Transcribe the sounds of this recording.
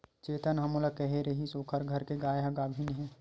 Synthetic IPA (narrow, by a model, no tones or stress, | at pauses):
t͡ʃeːt̪ənɦɐmolɐkɛɦeɾɐɦisoːkʰəɾɡʱɐɾkeɡaːjaɡaːbʱinɦɛ̃ː